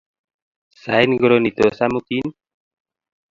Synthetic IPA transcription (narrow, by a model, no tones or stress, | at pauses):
sajnɡoɾonit̪osamut̪in